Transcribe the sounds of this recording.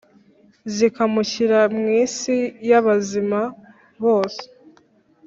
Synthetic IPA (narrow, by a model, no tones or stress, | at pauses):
zikamuçiɾamŋiːsijaβazima | βo̞ːse̥